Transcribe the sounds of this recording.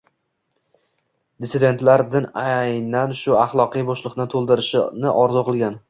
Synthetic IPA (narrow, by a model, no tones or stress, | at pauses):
d̪ɪsɪd̪e̞nt̪laɾd̪ɪnajnanʃʊaχlˠɒqɨjboʃlˠɨqnɪt̪ʰolˠd̪ɪɾɪʃɪnɪʔɒɾzʊqʰɨlˠɡʲan